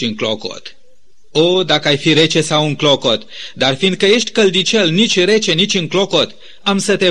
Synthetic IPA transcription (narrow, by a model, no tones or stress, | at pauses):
ɨŋkloko̰t̪ | od̪akəajfiɾe̞t͡ʃe̞sawuŋklo̞ko̞t̪d̪arfind̪̚kəje̞ʃt̪ʲkəld̪it͡ʃelnit͡ʃʲɾe̞t͡ʃe̞nit͡ʃʲɨŋklo̞ko̞t̪ | amsət̪e̞